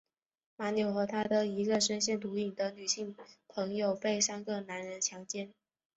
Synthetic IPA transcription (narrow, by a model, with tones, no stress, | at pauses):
ma˧˥njo˨˩ʊxɤ˧˥t̪ʰa˥d̪ə˨i˧˥ɡə˧ʂə˥nɕjɛ˥˩nt̪u˧˥i˨˩ŋd̪ə˦ny˨˩ɕi˥˩ŋpʰɤ˧˥ŋjo˨˩ʊpe˥˩ɪsa˥nɡə˥˩na˧˥nɻə˧˥nt͡ɕʰjɑ˧˥ŋt͡ɕjɛ˥˩n